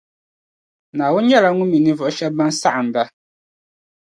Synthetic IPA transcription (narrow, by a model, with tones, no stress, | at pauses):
nã˨wʊ̃˦ɲɛ˦la˨˦ŋũ˦mĩ˨nĩ˦vʊ˨˦ɕɛ˦bã˦nsa˦ʔn̩˨da˦